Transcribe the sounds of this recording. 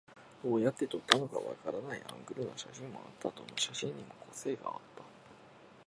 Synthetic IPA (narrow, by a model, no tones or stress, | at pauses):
d̪̥o̞ːjat̪ːe̞t̪o̞t̪ːano̞ka̰βa̰kaɾanaiã̰ŋɡɯ̟ɾɯ̟noɕaɕĩmːo̞̰a̰t̪ːat̪onoːɕaɕĩɲ̟ːimo̞kʰo̞se̞ːɡa̰ːt̪ːḁ